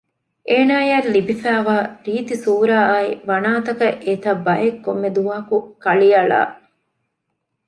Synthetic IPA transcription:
ʔeːnaːjɐɾlibifæːʋaːɾiːt̪isuːɾaːaiʋɐnaːt̪ɐkɐʔet̪ɐbɐjekːomːed̪umɐːɐkukɐɭiɐɭa̰ː

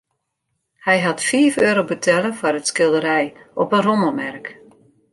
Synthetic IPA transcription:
hɛjɦɑtfiəføːɾowbətʰɛləfɔrətskɪlˠdəɾɛjʔɔpənroməmɛrk

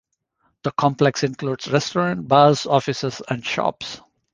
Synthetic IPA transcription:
d̪̥əkʰɔ̃mplɛksɪ̃nkluːɖz̥ɾɛsʈɔɾə̃ɳʈ̚bazɔfɪsəzæ̃ɳɖʃɔ̰ps

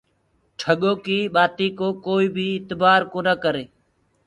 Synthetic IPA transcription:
ʈʰəɠoːkiːɓaːt̪iːkoːkoːiːbʱiːɪt̪baːɾkoːnəkəɾeː

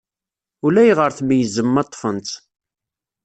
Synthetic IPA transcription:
ʊlæjʁəɾθmjəzəmːɑt̪ˤːfənt̪

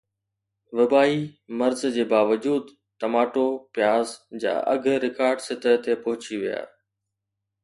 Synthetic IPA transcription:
ʋɐbaːimɐɾzd͡ʑeːbaːʋəd͡ʑuːd̪ | ʈɐmaːʈopjaːzd͡ʑa̰ːʔɐ̰ɡʱɾɪkaːɾɖsɪt̪ət̪epɐɦʊt͡ɕiʋija̰ː

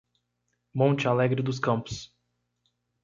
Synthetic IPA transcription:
mõnt͡ʃɪalɛɡɾɪd̪ʊs̬kɐ̃mpʊ̥s

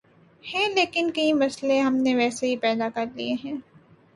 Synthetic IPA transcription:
hɛ̃ːleːkɪnkɐimɐsleɦɐmneʋɛːseɦipɛːd̪akɐɾlḭeɦɛ̃ː

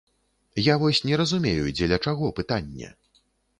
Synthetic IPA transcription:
javɔsʲnʲɛɾɐzumʲejud͡zʲɛlʲɐt͡ʂaɣɔpɨt̪anʲːɛ̰

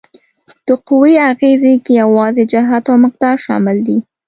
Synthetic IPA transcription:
t̪əqʊwiaɣezekejawɑzed͡ʒaɦat̪awmɪq̚d̪ɑɾʃɑ̰mɪld̪i

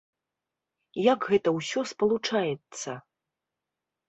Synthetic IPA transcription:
jaɡɣɛt̪ɐwsʲɔspɐlˠut͡ʂajɛt̪sːɐ

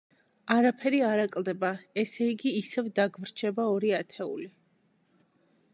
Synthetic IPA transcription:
aɾapʰɛɾiaɾakʼlˠd̪ɛbaɛsɛiɡiːsɛvd̪aɡvɾt͡ʃʰɛbaɔɾiat̪ʰɛṵli

